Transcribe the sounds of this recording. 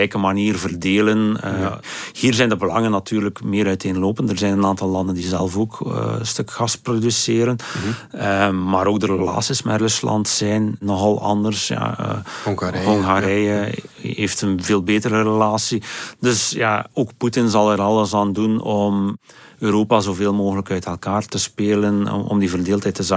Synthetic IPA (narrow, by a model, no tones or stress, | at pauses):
ɛjkəmaniːrvərdeːlənəhiːrzɛjndəbəlɑŋənːɑtyːrləkmɪːɾœɥteːnloːpəndərzɛjnənaːntɑlˠlɑndəndizɛlˠvoːkə̰ənstɵkxɑsprodysɪːɾənəmaːɾoːɡ̚dəɾəla̰ːsismɛ̰rɵslɑ̰ntsɛjnːɔxɑlˠɑ̰ndərsja̰ə̰ | ɦɔŋɣaɾɛjəɦeːftənveːlˠbeːtəɾərəlaːsidɵsja̰oːkputɪnzɑlˠəɾɑlˠəsaːndunɔm | øːɾoːpazoːveːlˠmoːɣələkœɥtɛlˠkaːrtəspeːlən̰ɔ̰mdivərdeːlˠthɛjtːəza